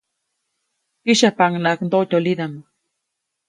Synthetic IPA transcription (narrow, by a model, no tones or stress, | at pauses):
iʃapaŋnaʔknd̪ot̪ʲolid̪ama